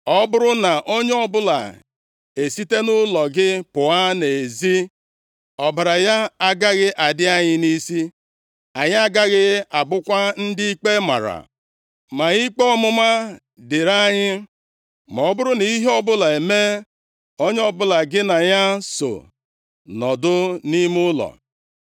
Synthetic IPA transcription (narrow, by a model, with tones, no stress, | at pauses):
ɔ˦bʊ˦ɾʊ˦na˨ʔo˦ɲ˦ɔ˦bʊ˦la̰˨ | e˨si˦te˦nʊ˦lɔ˨ɡɪ˦pʊ˨a˦ne˨zi˦ | ɔ˨ba˨ɾa˨ja˦a˦ɡa˦ɣɪ˦ʔa˨dɪ˦a˦ɲɪ˦ni˦si˦ | a˨ɲ˦a˦ɡa˦ɣɪ˦a˨bʊ˦kʷa˦n̩˦dɪ˦i˦k͡pe˦ma̰˨ɾa̰˨ | ma˨i˦k͡pe˦ɔ˦mʊ˦ma˦ | dɪ˨ɾa˦ɲɪ˦ | mɔ˨ɔ˦bʊ˦ɾʊ˦ni˦ɦɔ˦bʊ˦la˨e˨me˦ | o˦ɲ˦ɔ˦bʊ˦la˨ɡɪ˦na˨ɲa˦so̰˨ | nɔ˨dʊ˦ni˦m˦ʊ˦lɔ̰˨